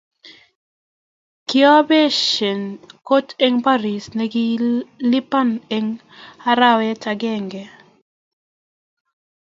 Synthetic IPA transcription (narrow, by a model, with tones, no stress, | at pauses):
kjɔ˦bɛ˦ʃe˨nko˦te˦ŋpa˦ɾi˨snɛɡɪ˦li˦pa˦neŋ | a˦ɾa˦wɛ˦taɡɛ˦ŋɡɛ˨